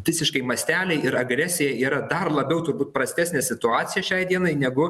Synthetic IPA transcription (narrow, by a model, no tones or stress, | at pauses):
ʋʲɪsʲɪʃkɐɪmɐsʲt̪ʲæːlʲɛɪɪɾɐɡɾʲæːsʲɪjɛiːɾɐd̪ɐrlˠɐbʲɛʊt̪ʊrbuːt̪̚pɾɐsʲt̪ʲæːsnʲeːsʲɪt̪ʊɑːt̪sʲɪjɛʃʲɛɪd̪ʲiɛnɐɪnʲɛɡʊ